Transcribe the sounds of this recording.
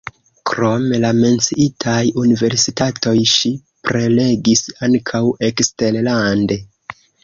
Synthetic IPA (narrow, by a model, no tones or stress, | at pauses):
kɾo̞melame̞nt͡siʔitʰajunive̞ɾsitato̞jʃi | pɾe̞le̞ɡisaŋkʰawe̞kste̞llande̞